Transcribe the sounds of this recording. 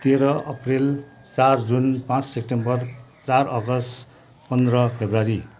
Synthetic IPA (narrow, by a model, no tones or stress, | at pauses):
t̪eɾʌʔʌprel | t͡sard͡zunpãt͡ssek̚ʈembʌrt͡sarʌɡʌsʈ | pʌnd̪rʌpʰebraɾi